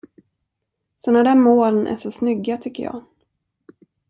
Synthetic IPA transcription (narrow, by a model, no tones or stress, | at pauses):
sɔnæɖænmoːlənʔæ̰ʂɔsnʏɡːat̪ʰʏkːəjɑ̰ː